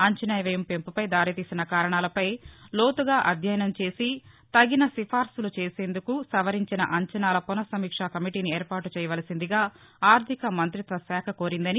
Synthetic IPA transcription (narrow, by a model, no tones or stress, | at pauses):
ɐɲt͡ʃɐnɐːjʋɐjɐmpempupɐjd̪aːɾit̪iːsinɐkaːɾɐɳaːlɐpɐjlo̞ːt̪uɡaːʔɐd̪ʱjɐjɐnɐmt͡ʃe̞ːsi | t̪ɐɡinɐsifʰaːɾsulut͡ʃe̞ːse̞ːnd̪ukusɐʋɐɾiɲt͡ʃinɐ̰ʔɐɲt͡ʃɐnaːlɐpunɐsɐmiːkʂakɐmiʈiːniɛːɾpaːʈut͡ʃɛːjɐʋɐːlɐsind̪iɡaː | aːɾt̪ʰikɐmɐnt̪ɾit̪ʋɐsɛːkʰɐko̞ːɾind̪ɐni